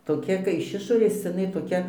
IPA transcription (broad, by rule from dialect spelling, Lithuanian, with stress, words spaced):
toːˈkʲɛ kɐɪ ɪʃ ˈɪʃoːrʲeːs ɪˈnɐɪ toːˈkʲɛ